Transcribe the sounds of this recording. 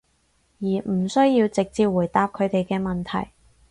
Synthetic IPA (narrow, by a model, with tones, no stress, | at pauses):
jiː˨˩m̩˨˩sɵ˥ɥjiː˧wt͡sɪ˨k̚t͡siː˧p̚wuː˨˩jt̪aː˧p̚kʰɵ˨˧ɥt̪e˨jkɛː˧mɐ˨nt̪ʰɐ˨˩j